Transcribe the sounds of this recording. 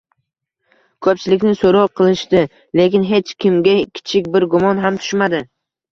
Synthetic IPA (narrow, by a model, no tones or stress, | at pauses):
kʰɵp̚t͡ʃʰɪlɪkʲnɪsoɾɒqʰɨlˠɪʃt̪ɪ | le̞kʲɪnɦe̞t͡ʃkʲɪmɡʲakʲʰɪ̥t͡ʃʰɪkʲbɪɾɡʊmɒnɦamt̪ʰʊ̥ʃmad̪ɪ